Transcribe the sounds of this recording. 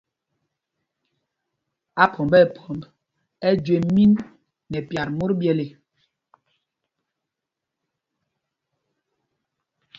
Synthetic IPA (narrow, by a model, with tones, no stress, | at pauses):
a˦pʰɔ˨mbɛ˦˨pʰɔ˨mb | ɛ˦d͡ʒwe˨mi˦nː | ɛ˨pja˨ɾmo˦ɾbjɛ˨le˨